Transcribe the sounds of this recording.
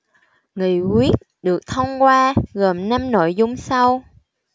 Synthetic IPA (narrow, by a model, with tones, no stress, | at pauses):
ŋɨ˨˩kwi˦˥ət̚ɗɨ˨˩ək̚t̪ʰə˧wŋ͡mkwaː˧ɣə˨˩mna˧mno̰˧˨jzʊ˧wŋ͡msa˧w